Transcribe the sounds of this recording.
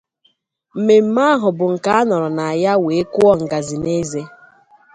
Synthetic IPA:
m̩˨me˨m̩˦ma˦ɦʊ˨bʊ˨ŋ̩˨ka˦a˦nɔ˨ɾɔ˨na˨a˨ja˦we˨e˦kʊ˦ɔ˦ŋ̩˨ɡa˨zi˨ne˦ze˦

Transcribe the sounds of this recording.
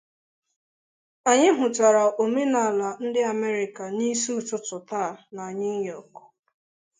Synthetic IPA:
a˨ɲɪ˦ɦʊ˨ta˨ɾa˨ʔo˨me˦na˨a˨la˨n̩˦dɪ˦a˨me˦ɾɪ˨ka˨ni˦su˦tʊ˦tʊ˨ta˦˨na˨ɲi˦jɔ˨k

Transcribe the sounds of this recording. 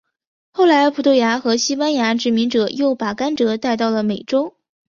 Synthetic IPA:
xo˥˩ʊla˧˥ɪpʰu˨˩t̪ʰwja˧˥xɤ˧˥ɕi˥pa˥nja˧˥ʈ͡ʂɻ̩˨˩mi˧˥ŋʈ͡ʂɤ˨˩jo˥˩ʊpa˨˩ka˥nʈ͡ʂɤ˧˥t̪a˥˧ɪt̪ɑ˥˩ʊlə˩me˨˩ɪʈ͡ʂo˥ʊ

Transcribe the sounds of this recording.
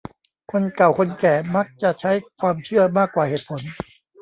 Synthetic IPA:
kʰo˧nka˨˩wkʰo˧nkɛː˨˩ma˦˥k̚t͡ɕa˨˩ʔt͡ɕʰa˦˥jkʰwaː˧mt͡ɕʰɯ˥˩ɐmaː˥˩kːwaː˨˩heː˨˩t̪̚pʰo˩˦n

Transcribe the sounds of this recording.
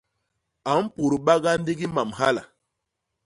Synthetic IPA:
a˨˦m˦pu˨ɾu˨ɓa˦ɡa˦n˦di˦ɡi˦ma˨mha˦la̰˨

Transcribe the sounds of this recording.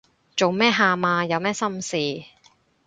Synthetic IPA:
t͡ʃo˨wmɛː˥ɦaː˧maː˧jɐ˨˧wmɛː˥sɐ˥msiː˨

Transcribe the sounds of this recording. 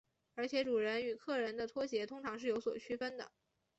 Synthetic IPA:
ə˞˧˥t͡ɕʰjɛ˧˥ʈ͡ʂu˨˩ɻə˧˥ny˨˩kʰɤ˥˩ɻə˧˥nd̪ə˧t̪ʰwɔ˥ɕjɛ˧˥t̪ʰʊ˥ŋʈ͡ʂʰɑ˧˥ŋʂɻ̩˥˩jo˧˥ʊswɔ̰˨˩t͡ɕʰy˥fə˥nd̪ə̰˨˩

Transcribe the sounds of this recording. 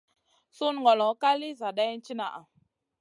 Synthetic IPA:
su˦n˨ŋ˨ɡɔ˨lɔ˨˦ka˦li˦za˨ɗa˦n̩˦t͡ʃi˦na˨ʔa̰˨

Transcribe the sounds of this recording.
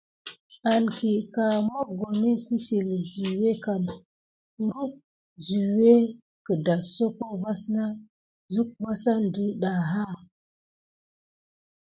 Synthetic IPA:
a˨nki˨ka˨mo˦ɡo˨mi˦ki˦si˨lzi˨we˦ka˨n˦ | ɾu˦k̚ | zi˨we˦ | kə˨da˨so˦ko˦va˦sna˦ | zu˦k̚ba˦sa˦ndə˦ɗa˨ɦa˦˨

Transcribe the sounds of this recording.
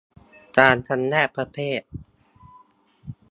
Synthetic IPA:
t̪aː˧nt̪ʰa˧nːɛː˥˩pʰɾa˧˥pʰeː˥˩t̪̚

